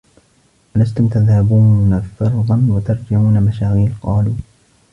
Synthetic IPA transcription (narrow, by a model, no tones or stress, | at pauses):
ʔalast̪ʊmt̪aðhabuːnafɑɾˤðˤɑnwat̪ɑɾˤd͡ʒɪʕuːnamaʃaːɣiːlqɑːluː